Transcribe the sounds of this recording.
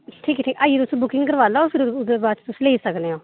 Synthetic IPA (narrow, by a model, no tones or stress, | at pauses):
ʈʰiːkʈʰiːkaːieːt̪ʊsũbʊkɪ̃ŋɡkəɾʋaːlaːoːpʰɪɾʊd̪ebaːt͡ʃt̪ʊsleːisəkneõː